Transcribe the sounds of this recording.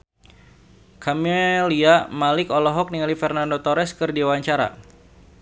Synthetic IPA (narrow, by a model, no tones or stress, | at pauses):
kʰamɛliamalɪkɔlɔɦɔk̚niŋalifɛrnandot̪ɔɾɛskɨrdiwaɲt͡ʃaɾa̰